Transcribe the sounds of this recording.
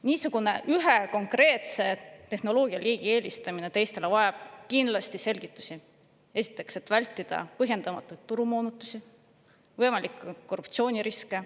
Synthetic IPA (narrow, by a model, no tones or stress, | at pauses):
niːsuɡ̥une̞ʔyɦe̞ko̞ŋkre̞ːt̪se̞t̪e̞xno̞lo̞ːɡiɑliːɡ̥ie̞ːlʲist̪ɑmine̞t̪e̞jst̪e̞le̞vɑeb̥̚kind̪̥lɑst̪ise̞lʲɡ̥it̪ˑːu̥si | e̞si̥t̪ːˑe̞kse̞t̪ːˑvælʲt̪ːˑid̪̥ɑ̰pɤɦje̞nd̪̥ɑmɑt̪ːˑujd̪̚t̪ːuɾumoːnut̪ːˑusi | vɤjmɑlikːˑkːorːupt̪sio̞ːnʲiɾiske̞